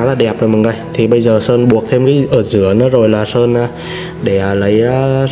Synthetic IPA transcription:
laː˨˩ɗɛ˨˩p̚zo˨˩jmə˨˩ŋŋa˨˧˩jt̪ʰi˨˩ɓə˧jzəː˨˩səː˧nɓu˨˩ək̚t̪ʰe˧mka˨˦ʔəː˧˩zɨ˧˩ənɨ˨˦zo˨˩jlaː˨˩səː˧nʔaː˨˧˦ | ɗe˧˩ə˧˩lə˨˦jʔə˧˦

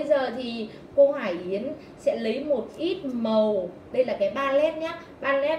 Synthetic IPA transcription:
jzəː˨˩t̪ʰi˨˩ | ko˧haː˧˩jʔi˨˦ən | sɛ̰˧˥lə˨˦jmo˨˩t̚ʔi˦˥t̚mə˨˩w | ɗə˧jlaː˨˩kaː˨˦jɓaː˧lɛ˦˥p̚ɲaː˨˦˥ | ɓaː˧nlɛ˦˥p̚

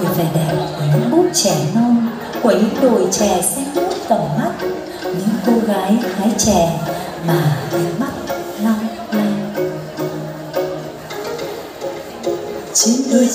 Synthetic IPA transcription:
faː˧˩jɗɛ˨˩pku˧˩əɲɨ̰˨˦ŋɓu˦˥t̚t͡ɕɛ˧˩nɔ˧n | ku˧˩əɲɨ̰˧˥ŋɗo˨˩jt͡ɕɛ˧˩sɛ˧ŋlu˦˥t̚t̪ɔ˧˩ma˦˥t̚ | ɲɨ̰˧˨˥ŋko˧ɣaː˨˦jxaː˨˦jt͡ɕɛ˧˩˨ | maː˨˩hə˨˧˦jma˦˥t̚la˧wŋ͡m | na˧j | t͡ɕi˨˦ŋzɨ˧

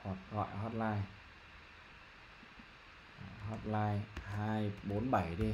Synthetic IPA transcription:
ɔ˨˩t̚ɣɔ̰˧˨jɦɔ˦˥t̚laː˧j | hɔ˦˥t̚laː˧jhaː˧jɓo˨˦nɓa˧˩jɗi˧

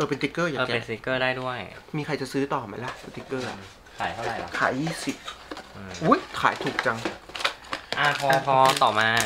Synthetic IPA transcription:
ʔɤː˨˩pe˧nt̪i˦˥kːɤː˥˩jaː˨ɤː˧˩˨e˧si˦˥kːɤː˥˩daː˥˩jdu˥˩əjmiː˧kʰa˧jt͡ɕa˨˩ʔsɯː˦˥t̪ɔː˨˩ma˧˩jla˧˥˩sa˧˩t̪i˦˥kːɤː˥˩ | kʰaː˨˩˦jt̪ʰa˥˩a˧˩jkʰaː˨˩˦jːiː˥˩si˨˩p̚ʔu˦˥jkʰaː˨˩˦jt̪ʰuː˨˩k̚t͡ɕa˧ŋ | ʔa˧˩kʰɔː˧a˧˩kʰɔː˧˦˥t̪ɔː˨˩maː˧

